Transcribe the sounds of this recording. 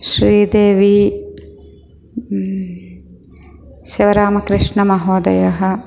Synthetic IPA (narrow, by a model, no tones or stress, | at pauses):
ʃɾiːd̪eːʋi | ʃiʋɐɾaːmɐkɾɪʂɳɐmɐɦoːd̪ɐ̰jɐɦɐ̆